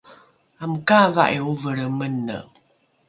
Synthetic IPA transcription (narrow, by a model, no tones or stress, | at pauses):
amkavaʔiuvəɾəmənːə̰